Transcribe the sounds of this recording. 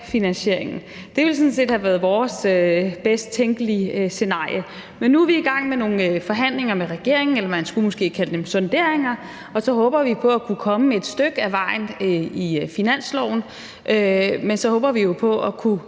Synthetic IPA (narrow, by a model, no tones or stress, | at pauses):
finænɕe̝ɐ̰e̝ŋn̩ | d̥e̝ʋe̝lsɔ̽nse̝̰ːd̥hæʋæɐð̞̩ˠʋɒːsøb̥esd̥̚t͡sʰeŋɡ̥əlise̝nɑ̈ːjə | menːuæʋiiɡ̥ɑ̈ŋ̰meno̝ːn̩fɒ̽ɦæn̰le̝ŋɐmeʁɛɡ̥e̝ɐ̰e̝ŋn̩elɐmænsɡ̥umɔ̽sɡ̥e̝̰ːkʰæləd̥emsɒ̽nd̥e̝ɐ̰e̝ŋɐ | ɒ̽sɒ̽ɦɔ̽ːb̥ɐʋipʰɒ̽ækʰukʰɒ̽məmee̝d̥sd̥øɡ̥əæʋɑ̈ɪ̰nifinæn̰slɒʊn̩ | ʔømensɒ̽hɔ̽ːb̥ɐʋijo̝pʰɒ̽ʔɒkʰu